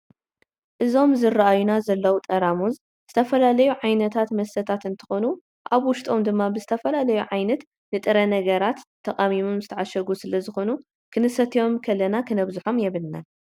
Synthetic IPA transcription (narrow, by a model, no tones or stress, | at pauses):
ʔɨzo̞mzɨrːaʔajunazɐlːɐwut̪ʼɐɾamuz | z̥ɨt̪ʰɐfɐlalɐjuʕajnɐt̪ʰat̪mɐsɐt̪ʰat̪ɨnt̪ʰɨ̥xo̞nu | ʔaβwʊʃt̪ʼo̞md̪ɨmːabɨzɨt̪ʰɐfɐlalɐjuʕajnɐt̪ | nɨt̪ʼɨɾɐnɐɡɐɾat̪ʰːɐkʼamimumzɨt̪ʰɐʕaʃɐɡusɨlɐzɨxo̞nu | kʰɨnɨsɐt̪ʰijo̞mkʰɐlːɐnakʰɨnɐβzuħo̞mjɛβɨlna̰n